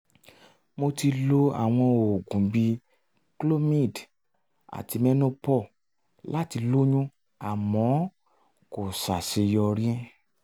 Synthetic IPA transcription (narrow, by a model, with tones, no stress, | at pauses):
mo˧ti˧lo˦a̰˦˨w̃ɔ̃˧o˨ɡũ˨bi˧ | klo˦mĩ˦˨d | a̰˨ti˧mɛ̃˦nũ˦pɔ˦˨ | la˦ti˧lo˦ɲũ˦ | a˨mɔ̃˨˦ | ko˨sa˨ʃe˧jɔ˧ɾĩ˦ɛ̃˦